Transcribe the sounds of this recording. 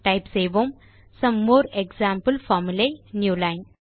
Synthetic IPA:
ʈajpseʋom | sɐmːoːɾekzaːmpəlfɔmilenjuːlajn

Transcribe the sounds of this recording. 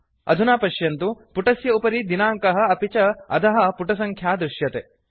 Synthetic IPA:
ɐ̰d̪ʱunaːpɐʃjɐnt̪upuʈɐsjɐupɐɾid̪inaːŋkɐɦɐ̆ɐpit͡ʃɐɐ̰t̪ɐɦɐ̆puʈɐsɐŋkʰjaːd̪ɾuʃjɐt̪e

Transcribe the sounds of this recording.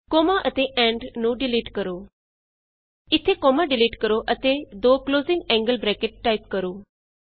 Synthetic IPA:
koːmãːʔət̪eːʔɛ̃ːɳɖnũːɖɪliːʈkəɾoː | ɪt̪ʰːeːkoːmaːɖɪliːʈkəɾoːʔət̪eːd̪oːkloːzɪ̃ŋɡɛ̃ːŋɡəlbɾɛːkeʈːaːip̚kəɾoː

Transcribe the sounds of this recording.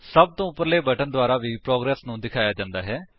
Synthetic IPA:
səb̚t̪õːʊpːəɾleːbəʈənd̪ʊaːɾaːʋiːpɾoːɡɾɛːsnũːd̪ɪkʰaːjaːd͡ʒãːnd̪aːɦɛː

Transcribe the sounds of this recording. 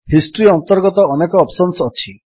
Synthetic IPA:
hisʈɾiɔnt̪ɔɾɡɔt̪ɔɔnekɔːpsɔnsɔt͡ʃʰi

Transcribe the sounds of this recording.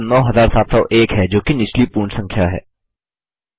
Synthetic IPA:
nɔːɦɐzaːɾsaːt̪sɔʔeːkɦɛd͡ʒoːkinɪʃlipuːɾɳsɐ̃ŋkʰjaɦɛ̰ː

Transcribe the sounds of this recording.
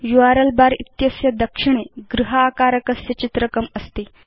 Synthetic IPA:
juʋaɾəlbaɾḭt̪jɐsjɐd̪əkʂiɳ̃eɡɾuɦəːkaɾəkəsjɐt͡ɕit̪ɾəkəməst̪iː

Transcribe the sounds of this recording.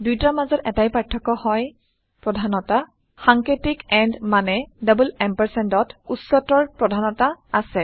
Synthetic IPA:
dujtaamazɔtɛ̰tajpaɹtʰːɔkɔhɔj | pɹɔdʱanɔta | xaŋkɹetikɛndmanɛdabulɛmpɛɹsɛndɔtutsɔtɔɹpɹɔdʱanɔtaasɛ

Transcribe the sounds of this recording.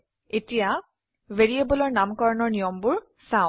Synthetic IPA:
etija | veɹiebɔlɔɹnamkɔɹɔnɔɹnijɔmbʊɹ | sãʊ̃

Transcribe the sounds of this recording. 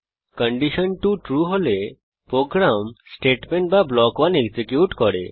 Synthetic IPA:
kəɳɖiʃənʈuʈɾuɦole | pɾoɡɾamsʈeʈmeɳʈ̚bablɔkʋaneɡd͡ʒekjuʈkɔɽḛ

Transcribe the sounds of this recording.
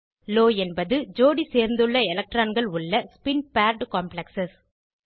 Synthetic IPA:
loːɛnbɐðɯd͡ʒoːɽiseːɾnd̪ɯɭːɐɛlɐk̚ʈɾaːnɡɐɭʊɭːɐspɪnpaːɾɖkaːmpɭɐksɐs

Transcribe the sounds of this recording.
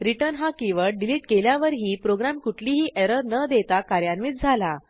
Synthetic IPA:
ɾiʈəɾnɦakiʋəɭɖiliʈkeljaʋəɾɦiːpɾoɡɾamkuʈʰliːɦiːʔeɾəɾnəd̪et̪akaɾjanʋiːt̪̚d͡zʱala

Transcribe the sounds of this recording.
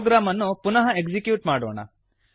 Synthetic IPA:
ɡɾaːmɐnːupunɐɦɐekd͡ʒikjuːʈmaːɽoːɳɐ̰

